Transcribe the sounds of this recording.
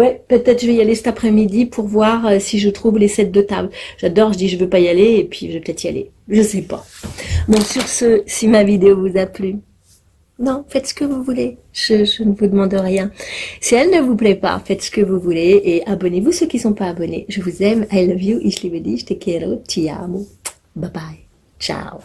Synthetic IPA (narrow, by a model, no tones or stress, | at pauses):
wɛpøtt̪ɛt̪χʒəvɛijalesɛ̥t̪apχɛmid̪ipʰuʁvwaʁøsiʒət̪χuvlesɛt̪̚d̪ət̪a̰blʒ̥ad̪ɔʁʒəd̪iʒəvøpajaleːpʰɥiʒəvɛpə̥t̪ɛt̪χia̰lḛ | ʒəsɛpa̰bɔ̃syʁsəsimavid̪eovuzaply | nɔ̃fɛt̪sə̥kəvuvule | ʒ̥əʒənəvud̪əmɑ̃d̪əʁjɛ̃siɛlnəvuplɛpa̰fɛt̪sə̥kəvuvuleʔːabɔnevusøkʲisɔ̃paːbɔnḛʒəvuzɛmajlvjuʔislivəd̪iʃt̪ɛkeɾot̪ʰia̰mo | babaj | t͡ʃa̰w